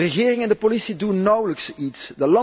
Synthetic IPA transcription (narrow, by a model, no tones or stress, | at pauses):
ərəɣɪːrɪŋɛndəpolisidunːʌwləksitsdəlɑ